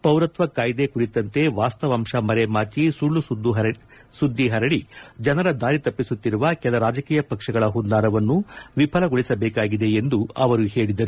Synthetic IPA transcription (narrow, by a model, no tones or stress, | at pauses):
pɐwɾɐt̪ʋɐkaːjd̪ekuɾit̪ɐnt̪e̞ʋaːst̪ɐʋɐmʂɐmɐɾemaːt͡ʃisuɭːusud̪ːuɦɐ | sud̪ːiɦɐɾɐɽid͡ʒɐnɐɾɐd̪aːɾit̪ɐpːisut̪ːiɾuʋɐkɛlɐɾaːd͡ʒɐkiːjɐpɐkʂɐɡɐɭɐɦund̪aːɾɐʋɐnːuʋipʰɐlɐɡoɭisɐbɛːkaːɡid̪e̞end̪uɐʋɐɾuhe̞ːɭid̪ɐɾu